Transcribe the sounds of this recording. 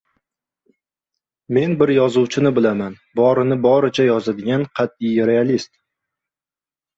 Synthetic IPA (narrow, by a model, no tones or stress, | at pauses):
me̞nbɪɾjɒzuwt͡ʃʰɪnɪbɪlaman | bɒɾɪnɪbɒɾɪt͡ʃʰajɒzad̪ɪɡʲanqʰɑt̪̚ijɾe̞alist̪